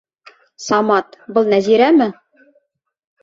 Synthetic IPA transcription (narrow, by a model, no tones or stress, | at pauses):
sɑmɑt̪bɤ̆lˠnæziɾæmɘ